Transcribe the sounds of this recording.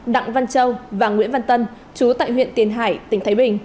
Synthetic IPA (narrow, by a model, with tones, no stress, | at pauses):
ɗa̰˧˨ŋva˧nt͡ɕə˧wvaː˨˩ŋwḭ˧˥ənva˧nt̪ə˧n | t͡ɕu˨˦t̪a̰ː˧˨jɦwḭ˧˨ənt̪i˨˩ənɦa̰ː˧˩jt̪ï˧˩ŋ̟t̪ʰaː˨˦jɓï˨˩ŋ̟